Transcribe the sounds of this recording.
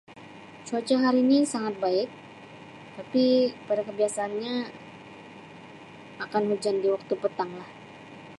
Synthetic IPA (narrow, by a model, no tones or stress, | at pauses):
t͡ʃot͡ʃɔɦaɾiːnisaŋat̪̚baɪk̚ | t̪apipadakəbiasaːnɲa | akanhud͡ʒandiwak̚t̪upət̪aŋlah